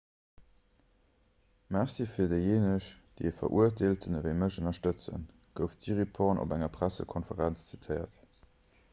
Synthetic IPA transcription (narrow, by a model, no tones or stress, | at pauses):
mæʁsiːfiːɐdəjeːnəɕd̥eefɐ̰ʔuɐtʰeːltʰənəvəɪməɕənɐʃtət͡sə̰n | ɡ̥əʊftz̥iʁipʰɔʁnʔo̰bæŋɐpʁæsə̰kʰonfəʁænt͡st͡sitʰəɪɐ̰t